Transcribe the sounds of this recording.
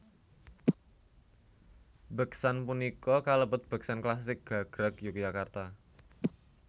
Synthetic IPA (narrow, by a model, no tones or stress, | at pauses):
b̥ə̤ksanpunikɔkaləpʊt̪̚b̥ə̤k̚sanklasɪk̚ɡ̥a̤ɡ̥ɾəkjukd͡ʒakart̪a